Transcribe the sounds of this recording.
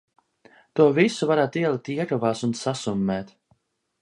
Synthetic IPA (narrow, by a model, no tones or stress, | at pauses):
t̪uɔvisuvaɾaːt̪iɛlˠit̪iɛɾɔvaːsunsasumːɛːt̪